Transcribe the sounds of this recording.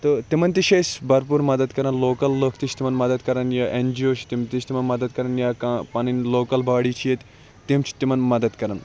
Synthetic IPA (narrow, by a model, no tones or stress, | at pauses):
t̪ɨt̪imɐnt̪iʃesʲbɐɾpuːɾmɐd̪ɐd̪kɐɾɐnloːkɐlːəːkʰt̪it͡ʃʰt̪imɐnmɐd̪ɐd̪kɐɾɐnjaːʔend͡ʒioːt͡ʃʰt̪imt̪it͡ʃʰt̪imɐnmɐd̪ɐd̪̚kɐɾɐnjaːkãːpɐninloːkɐlbaːɽiːt͡ʃʰijet̪ʲ | t̪imt͡ʃʰi̥t̪imɐnmɐd̪ɐd̪kɐɾɐn